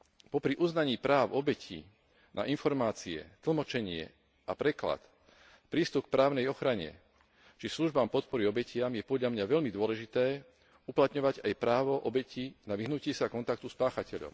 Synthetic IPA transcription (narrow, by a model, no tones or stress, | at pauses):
pɔpɾiʔuznaɲiːpɾaːʊɔbɛcʰḭ | na̰ʔinfɔɾmaːt͡siɛ̰t̪l̩mɔt͡ʃɛɲɪɛ̰ | apɾɛkla̰t̪ | pɾiːst̪uk̚pɾaːʊnɛjɔxɾaɲɛ̰ | t͡ʃisluʒbaːmpɔt̪̚pɔɾiɔbɛcɪamjɛpɔd̪ʎamɲaʋɛʎmid̪ʊɔlɛʒit̪ɛː | uplat̪ɲɔʋaɟajpɾaːʋɔʔɔbɛcinaʋiɦnucɪɛsakɔnt̪ak̚t̪uspaːxacɛʎɔ̰m